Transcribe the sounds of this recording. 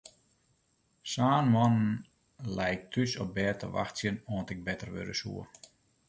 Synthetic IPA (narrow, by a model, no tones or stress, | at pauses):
saːnmɔnən̩ | lɛjk̚tʰysɔp̚bɛːtʰə̰ʋa̰xsjənɔəntɪɡ̚bɛtərʋø̰dəsṵə